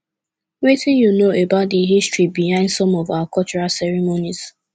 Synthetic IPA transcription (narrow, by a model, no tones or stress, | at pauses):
wetĩnjunoebadiɦistɹit̚biɦãɪ̃ndsɔmɔvawakɔt͡ʃuɹasɛɹimoniz̥